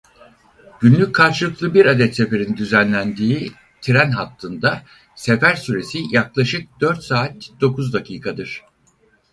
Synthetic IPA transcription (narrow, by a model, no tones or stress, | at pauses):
ɟ̥ynlʲyc̚ʲʰaɾt͡ʃlˠɯklˠɯbiɾad̪ɛt̪se̞fe̞ɾind̪yzænlʲænd̪iː | t̪ʰiɾænɦat̪ːɯnd̪a | se̞fæɾsyɾe̞sijaklˠaʃɯk̚d̪̥øɾt̪saːt̪d̪̥o̞kʰuzd̪acʰiːkʰad̪ɯɾ̥